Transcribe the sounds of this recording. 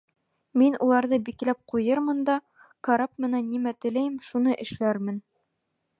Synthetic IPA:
minulˠɑɾðɤbiklæp̚qujɤɾmɤnd̪ɑ | kɐɾap̚mɘ̆nænːimæt̪ɘ̆læjmʃunɤʔɘ̆ʃlæɾmɘn

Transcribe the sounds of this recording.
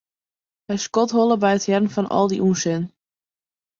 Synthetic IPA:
hɛjskɔtɦolˠəbɛjətjɛrn̩fɔnʔɔ̰lˠdiʔunsɪn

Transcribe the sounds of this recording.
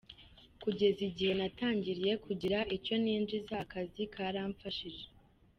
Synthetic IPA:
kuɟe̞ziɟihe̞nataːɲɟiɾije̞kʰuɟiɾaʔico̞niːnd͡ʒizakazikʰaɾaːɱfaʃiʒe

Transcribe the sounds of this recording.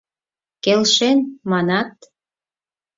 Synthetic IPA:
kelʃenmɑnɑt̪

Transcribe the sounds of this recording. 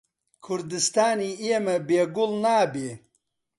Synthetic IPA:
kʰuɾd̪ist̪aːniiemɐbeːɡulnaːbeː

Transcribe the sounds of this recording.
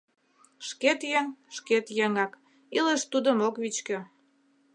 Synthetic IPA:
ʃket̪jeŋʃket̪jeŋɑk | iləʃt̪ud̪əmokβit͡ɕkø

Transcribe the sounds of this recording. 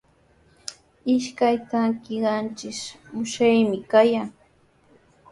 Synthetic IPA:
ɪʃkajt̪aŋkɪɢɑnt͡ʃɪʃmʊʃajmɪkajaŋ

